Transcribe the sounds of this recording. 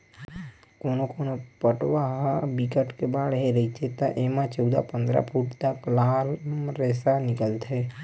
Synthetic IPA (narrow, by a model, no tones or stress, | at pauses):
konokonopəʈʋaɦabikəʈkebaɭɦeɾəit͡ʃʰet̪aʔemãt͡ʃəwd̪a̰pənd̪ɾa̰pʰuʈt̪aklalmɾesanikəlt̪ʰe